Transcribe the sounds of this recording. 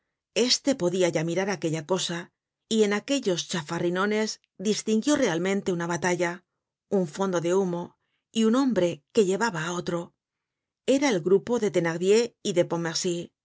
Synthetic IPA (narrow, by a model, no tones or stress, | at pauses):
e̞st̪e̞po̞ðiaʝamiɾaɾake̞ʎako̞sa | ie̞nake̞ʎo̞st͡ʃafarino̞ne̞z | d̪ist̪iŋɡjo̞re̞almẽ̞nt̪e̞unaβat̪aʎa | uɱfo̞nd̪o̞ðe̞umo̞ | iunõ̞mbɾe̞ke̞ʎe̞βaβaːo̞t̪ɾo̞ | e̞ɾae̞lɡɾupo̞ðet̪e̞naɣðje̞iðe̞po̞meɾsi